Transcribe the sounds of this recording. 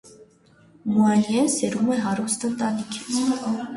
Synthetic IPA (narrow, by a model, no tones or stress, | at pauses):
muɑnjɛnsɛɾumɛɦɑɾust̪ənt̪ɑnikʰi̥t͡sʰ